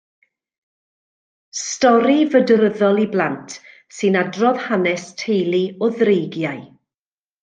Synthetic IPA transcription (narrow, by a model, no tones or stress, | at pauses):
stɔɾivədɾəðɔlˠiblˠantʰ | sɨnadrɔðhanɛstʰejlˠiɔðrejɡjaj